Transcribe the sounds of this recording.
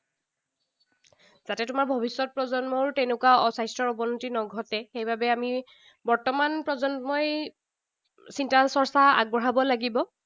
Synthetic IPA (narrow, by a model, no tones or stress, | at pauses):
zatɛtʊmaɹbʱɔbisːɔt̚pɹɔzɔnmɔɹtɛnʊkwaɔsajstɹɔɹɔbɔnutinɔɡʱɔtɛxejbabɛami | bɔɹtɔmanpɹɔzɔnmɔj | sintasɔɹsaa̰ɡ̚bɔɹɦabɔlaɡibɔ